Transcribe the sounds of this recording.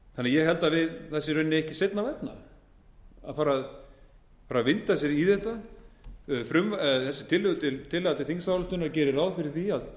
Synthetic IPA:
θanːɛajɛɦɛlt̪avɪðθɛsːɪɾœnːɪɛhcɪsejt̪navɛt̪na̰ | a̰ðfaːɾað | faɾavɪnt̪as̬jɛɾiθɛht̪a | fɾʏmvaθɛsːɪt̪ʰɪlːʏɣt̪ʰɪlt̪ʰɪlːɛɣat̪ɪlθiŋsawlʏht̪ʏnaɾcɛːɾɪɾrawðfɪɾɪɾ̥θiað

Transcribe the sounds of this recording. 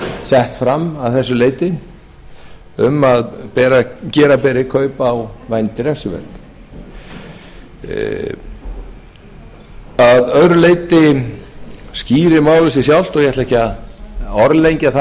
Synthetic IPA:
sɛht̪fɾamːaðθɛsːʏleːjt̪ɪn | ʏmaðpɛːɾacɛːɾapɛːɾɪkʰœːɥpawvajnt̪ɪɾɛ̥sʏvɛ̰ɾk̪ | aðœðɾʏleːjt̪ɪ | sciːɾɪmaːwlɪsɪs̬jawl̥t̪ɔɣjɛtlɛhca | ɔɾlejɲcaθa

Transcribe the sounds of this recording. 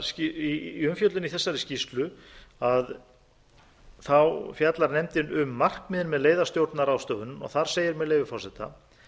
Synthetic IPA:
iʏmfjœt̪lʏniθɛsːaɾɪscist̪lʏ | að | θawfjat̪laɾnɛmt̪ɪnʔʏmːar̥kmɪðɪnmɛðleːjðḁst̪jowɾt̪naɾawst̪œːvʏnʏmɔ̰ɣθaɾ̥seːjɪɾmɛðleːjvɪfɔɾ̥sɛt̪a̰

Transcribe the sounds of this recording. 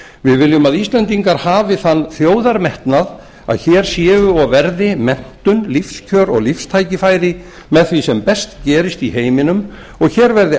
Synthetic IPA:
vɪðvɪljʏmaðist̪lɛnt̪iŋkaɾ̥haːvɪθanːθjoːwðaɾmɛht̪nað | a̰ðçɛːɾ̥sjɛːvʏɔɣvɛɾðɪmɛn̥t̪ʏnlifscʰœːɾɔ̰ɣlifst̪ʰaːjcɪfajɾɪ | mɛðθvisɛmpɛst̪cɛːɾɪst̪iheːjmɪnʏm | ɔɣçɛːɾvɛɾðɪ

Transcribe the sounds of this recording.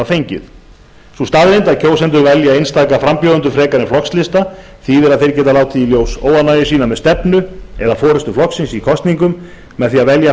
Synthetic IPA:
afejɲcɪ̰ð | sust̪aːðɾɪnt̪aðcʰoːwsɛnt̪̬ʏɾvɛljaejnst̪aːjkafɾampjoːðʏnt̪ʏfɾɛːkaɾɪflɔkslɪst̪a | θiðɛɾaðθejɾ̥cɛːt̪alaːwt̪ʰiːljoːwsoːwvanaːjɪsiːnamɛðst̪ɛpnʏɛðafɔːɾɛst̪ʏflɔksɪnsikʰɔst̪niŋkʏmː | ɛðθiaðvɛlja

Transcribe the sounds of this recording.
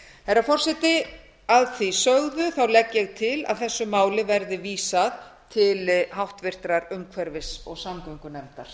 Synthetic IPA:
ɛɾafɔr̥sɛt̪ɪ | aðθisœɣðʏθawlɛcːjɛɣt̪ʰɪla̰ðθɛsːʏmaːwlɪvɛɾðɪviːsaðt̪ʰɪlɦawht̪vɪr̥t̪ɾaɾʏmkʰvɛɾvɪsɔɣsamkaŋkʏnɛɾt̪aɾ̥

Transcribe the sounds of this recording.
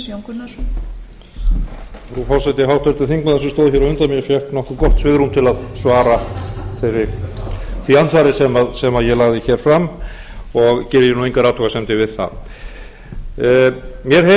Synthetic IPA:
oŋkʏna | fɾufɔɾ̥sɛt̪ɪɦawht̪ʰœɾt̪ɪθiŋk̚maðɛsɪst̪oːwðɪçjɛɾavʏnt̪amjɛfjɛhknɔhkʏɾkɔht̪svɪɣɾumt̪ʰɪlaðsvaːɾaθejɾɪ | θiansvaːɾɪsɛmaðsɛmaðjɛlaɣðɪçɛːɾ̥fɾam | ɔɣcɛːɾɪjɛnuejŋkaɾaːt̪ʰɔɣasɛmt̪ɪvɪðθa̰ð | mjɛɾ̥he

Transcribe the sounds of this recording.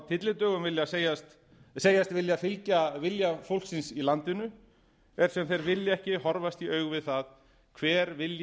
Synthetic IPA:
t̪ʰɪt̪lɪt̪œːɣʏmvɪljaseːjast̪ | seːjast̪vɪljafɪlcavɪljafowl̥ksɪnsilant̪ɪnʏ | ɛɾ̥sɛmθejɾvɪljaɛhcɪɦɔɾvast̪iœːɥɣvɪðθað | kʰvɛːɾvɪlj

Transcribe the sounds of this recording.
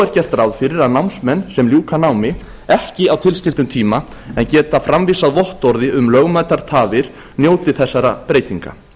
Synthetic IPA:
ɛɾ̥cɛr̥t̪rawðfɪɾɪɾaðnawnsmɛnːsɛmljuːkanawmɪ | ɛhcɪawt̪ʰɪlscɪlt̪ʏmt̪ʰiːmaɛncɛːt̪afɾamviːsaðvɔht̪ɔɾðɪʏmlœɣmajt̪aɾ̥t̪ʰaːvɪɾ̥ | njoːwt̪ɪθɛsːaɾapɾeːjt̪iŋka̰

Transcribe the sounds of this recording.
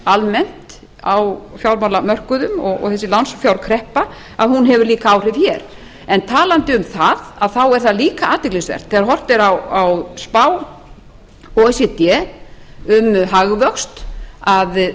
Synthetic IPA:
almɛn̥t̪ | awfjawɾmawlamœr̥kʏðʏmɔɣɔ̰ɣθɛsːɪlansfjawɾkʰɾɛhpa | a̰ðhunɦɛvʏɾliːkaawr̥ɪvçɛɾ | ɛnt̪ʰaːlant̪ɪʏmθaðaðθawɛɾ̥θaðliːkaʔaːt̪ɪklisvɛ̰r̥t̪θɛːɣaɾɦɔr̥t̪ɪɾawawspaːw | ɔɛsɛt̪jɛ | ʏmɦaɣvœkst̪að

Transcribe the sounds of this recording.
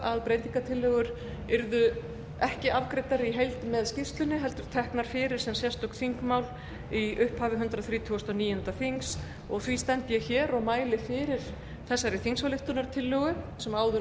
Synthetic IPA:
aðpɾejt̪iŋkat̪ʰɪlːœɣʏɾ | ɪɾðʏ | ɛhcɪavkɾejt̪aɾɪiɦejlt̪ɪmɛðscɪfst̪lʏnɪɦɛl̪t̪ʏɾ̥t̪ʰɛhknaɾ̥fɪːɾɪɾ̥sɛmsjɛst̪ɔk̪θiŋkmawl | iʏhphaːvɪɦʏnt̪ɾaθɾiːt̪ʰuɔst̪ɔniːjɛnt̪afiŋs | ɔɣθvist̪ɛnt̪ɪjɛçɛːɾɔɣmaːjlɪfɪːɾɪɾ̥ | θɛsːaɾiθiŋsvalɪht̪ʏnaɾt̪ʰɪlːœɣʏsɛmaːwðʏ

